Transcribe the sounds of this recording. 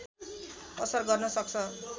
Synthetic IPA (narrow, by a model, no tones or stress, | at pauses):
ʌsʌrɡʌrnʌsʌk̚t͡sʰʌ